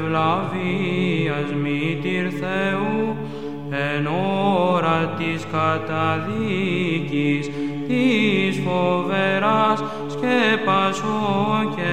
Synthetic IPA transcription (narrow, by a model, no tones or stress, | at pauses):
vlɐviɐzmit̪iɾθeu | enoɾɐt̪iskɐt̪ɐðicist̪isfoveɾɐs | cepɐsoce